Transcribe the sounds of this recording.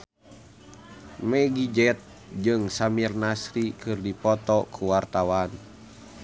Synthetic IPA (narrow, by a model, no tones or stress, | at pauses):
mɛɡid͡ʒɛt̪̚ | d͡ʒɨŋsamirnasɾikɨrdipɔt̪ɔkʰuwart̪awan